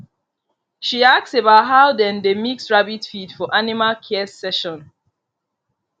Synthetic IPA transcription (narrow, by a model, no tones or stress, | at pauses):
ʃiak̚sebaʊt̚ɦaʊdɛ̃ndemiksɹabitfidfɔʔanimalkʰɛsɛʃɔ̃n